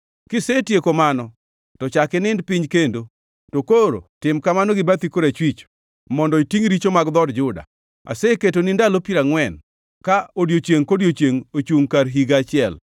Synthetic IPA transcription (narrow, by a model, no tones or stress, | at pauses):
kɪsetjekomanɔ | tɔt͡ʃakɪnɪndpɪɲkendo | tokoɾo̰tɪmkamanɔɡɪbat̪ikoɾat͡ʃwit͡ʃ | mɔndɔitiŋɾit͡ʃomaɡd̪ɔdd͡ʒʊda̰ | a̰seket̬onɪndalopiɾaŋwɛn | kaodjot͡ʃjeŋkodjot͡ʃjeŋot͡ʃuŋkaɾɦiɡat͡ʃɪɛl